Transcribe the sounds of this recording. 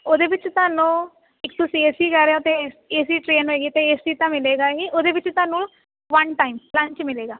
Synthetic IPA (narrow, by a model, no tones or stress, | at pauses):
oːd̪eːʋɪt͡ʃt̪ʊaːnũː | ɪkt̪ʊsĩeːsiːkɛːɾeat̪eeːsiːʈɾeːnɦoːeːɡiːt̪eeːsiːt̪ãːmɪleːɡaːiʔoːd̪eːʋɪt͡ʃt̪ʊaːnũː | ʋənʈaːimlə̃ɲt͡ʃmɪleːɡaː